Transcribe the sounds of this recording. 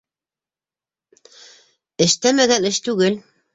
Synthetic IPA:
ɘ̆ʃt̪æmæɡænɘʃt̪ʉɡɘl

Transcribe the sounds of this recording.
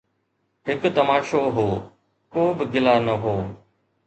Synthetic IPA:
ɦɪkt̪əmaːʃoːɦoː | koːbɪɡɪlaːnəɦoː

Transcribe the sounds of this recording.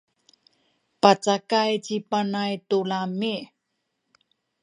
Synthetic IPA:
pat͡sakajt͡ɕipanajtulami

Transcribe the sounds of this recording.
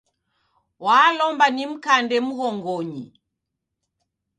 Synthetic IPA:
waːlɔmbanim̩kandɛm̩ɣɔŋɡɔɲḭ

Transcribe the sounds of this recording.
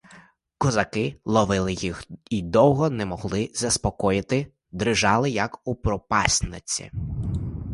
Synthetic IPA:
kɔzɐkɪlˠɔʋɪlˠɪjixid̪ɔwɦɔnɛmɔɦlˠɪzɐspɔkɔjɪt̪ɪ | d̪ɾɪʒɑlˠɪjɐkupɾɔpɑsʲnɪt͡sʲḭ

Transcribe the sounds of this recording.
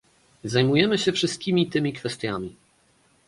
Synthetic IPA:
zajmujɛmɘɕɛfʂɘst̪kʲimʲit̪ɘmʲikfɛst̪ʲjamʲi

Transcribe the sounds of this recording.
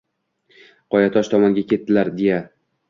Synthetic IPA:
qʰɒjat̪ʰɒʃt̪ʰɒmɒŋɡʲakʲe̞t̪ːɪlaɾd̪e̞ja

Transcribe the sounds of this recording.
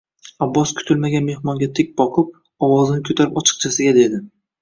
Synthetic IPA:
abːɒskʰʊ̥t̪ʰɪlmaɡʲanme̞hmɒŋɡʲat̪ʰek̚ʲbɒqʰɨp̚ | ɒwɒzɪnɪkʰoɵt̪ʰaɾɪpɒt͡ʃʰɨ̥q̚t͡ʃʰasɪɡʲad̪e̞d̪ɪ

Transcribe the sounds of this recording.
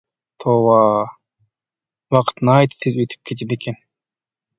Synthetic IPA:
t̪ʰowɑ | wɑqɯ̥t̪najt̪t̪ʰːizyt̪ʰy̥p̚kʰet̪̬eneken

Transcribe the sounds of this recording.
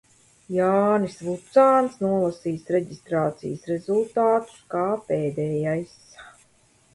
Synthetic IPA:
jaːnisvut̪saːnsnuɔlˠasiːsɾeɟist̪ɾaːt̪sḭjəsɾezulˠt̪aːt̪u̥skaːpeːd̪ɛːjajs

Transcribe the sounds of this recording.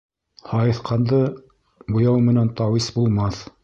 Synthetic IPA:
hɑjɤ̆θqɑnd̪ɤ | bŭjɑwmɘ̆nænt̪ɑwisbulˠmɑθ

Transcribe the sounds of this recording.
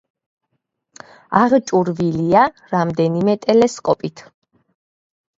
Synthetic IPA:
aʁt͡ʃʼuɾvilia | ɾamd̪ɛnimɛt̪ʼɛlɛskʼɔpʼit̪ʰ

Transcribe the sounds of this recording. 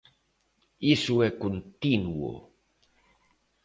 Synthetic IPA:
isuekunt̪inuo̰

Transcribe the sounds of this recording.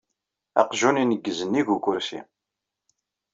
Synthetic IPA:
æ̰qʒuninəɡːəzənːiɡuɡʊɾsḭ

